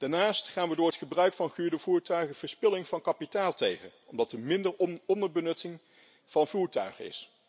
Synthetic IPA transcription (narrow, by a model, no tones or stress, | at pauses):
d̥aːɹnaːstχaːnʋədʊːɹɦətχəbrœɥkfɑnχyːɹdəvuːɹtœɥχəvəɹspɪlɪŋv̥ɑnkɑpitaːlˠtejχə̰nɔmdɑtəmɪndəɹɔndəɹbənɵtɪŋ | v̥ɑnvuːɹtœɥχəɪ̰s